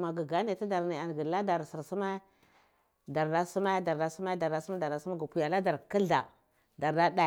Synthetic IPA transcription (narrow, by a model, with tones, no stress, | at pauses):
ma˨ɡi˨ɡa˦ne˨ti˦da˨ɾna˨a˨n˨ɡi˨la˦da˨ɾsi˨ɾsu˦ma˦ | da˨ɾda˦su˦ma˦da˨ɾda˨su˦ma˦da˨ɾda˨su˦ma˦da˨ɾa˨su˦a˦ɡu˨pu˨ja˨la˦da˨ɾki˦ɮa̰˨ | da˨ɾda˦da˦˨